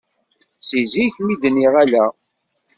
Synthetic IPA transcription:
siziçmid̪niʁælæ

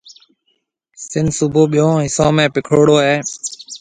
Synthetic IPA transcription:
sɪnsʊbʱoːɓɪjõːɦɪsõːmẽːpɪkʰoːɽoːɦeː

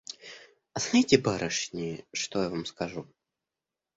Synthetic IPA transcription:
ɐsnaitʲɪbaɾəʂnʲɪʂt̪ojavamskɐʐu

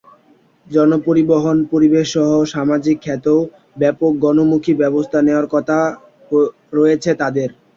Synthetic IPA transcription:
d͡ʑɔnopoɾiboɦonpoɾibeʃʃɔɦoʃamad͡ʑikʰːɛt̪o | bɛpok̚ɡɔnomukʰibɛbost̪ʰaneoaɾkɔt̪ʰa | ɾoet͡ɕʰet̪ad̪eɾ

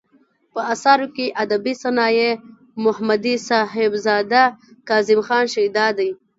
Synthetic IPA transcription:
pəasɑɾokeʔad̪abisanɑje | mʊhmad̪isɑɦɪbzɑːd̪akɑːzɪmxɑːnʃajd̪ɑd̪aj

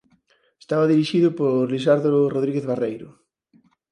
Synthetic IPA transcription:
e̥st̪aβaðiɾiʃiðʊpoɾliʃ̬aɾðoroðɾiɣeθβarejɾʊ

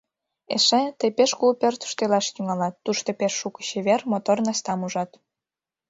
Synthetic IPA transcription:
ḛʃet̪əjpeʃkulpørt̪ə̥ʃt̪elɑʃt̪yŋɑlɑt̪ːuʃt̪opeʃːukə̥ɕeβermot̪ornɑst̪ɑmuʒɑt̪

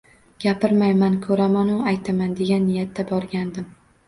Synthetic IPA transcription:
ɡ̥ʲapɪɾmajmankʰɵɾamanʊajt̪ʰamand̪e̞ɡʲanːɪjat̪ʰːabɒɾɡʲand̪ɪm

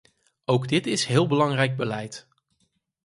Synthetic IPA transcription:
owɡdɪtɪsɦɪːlˠbəlɑŋrɛjɡ̚bəlɛjt

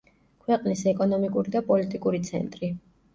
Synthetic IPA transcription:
kʰwɛqʼnisɛkʼɔnɔmikʼuɾid̪apʼɔlit̪ʼikʼuɾit̪sʰɛ̰nt̪ʼɾi

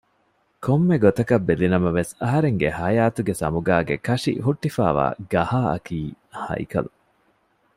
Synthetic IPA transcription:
komːeɡot̪ɐkɐbːelinɐmɐʋesɐɦɐɾeŋɡehɐjaːt̪uɡesɐ̰muɡaːɡḛkɐʂḭɦuʈːifa̰ːʋa̰ːɡɐhaːɐ̰kiː | hɐ̰jkɐ̰lu

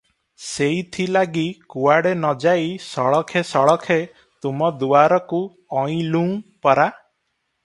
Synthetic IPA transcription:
seit̪ʰilaɡikuaɽenɔd͡ʒaisɔɭɔkʰesɔɭɔkʰe | t̪umɔd̪uaɾɔku | ɔĩlũŋpɔɾa

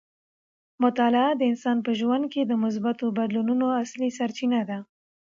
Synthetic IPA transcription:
mʊt̪ɑlɪad̪əɪnsɑnpəʒwand̪̚ked̪əmʊs̬bat̪obad̪lununoaslisaɾt͡ʃinad̪a

